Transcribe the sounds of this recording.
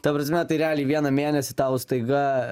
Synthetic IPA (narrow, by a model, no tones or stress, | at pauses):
t̪ɐpɾɐsʲmʲɛt̪ɐɪɾʲæːlʲiːʋʲiɛnɐmʲeːnʲɛsʲɪt̪ɑːʊst̪ɐɪɡɐ